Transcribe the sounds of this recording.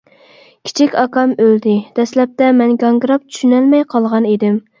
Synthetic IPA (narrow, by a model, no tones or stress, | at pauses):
kʲʰi̥t͡ʃʰikʲɑkɑmøld̪ɪd̪̥ɛslɛp̚t̪ɛmɛnɡɑŋɡɾɑp̚t͡ʃʰy̥ʃynɛlmɛjqʰɑlˠʁɑnid̪ɪm